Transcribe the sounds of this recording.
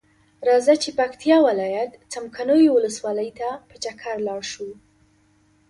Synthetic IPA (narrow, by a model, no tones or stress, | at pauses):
ɾɑzat͡ʃepakt̪ijɑwɪlɑjat̪t͡samkʰanojowʊləswɑləjt̪apət͡ʃakʰaɾlɑɽʃu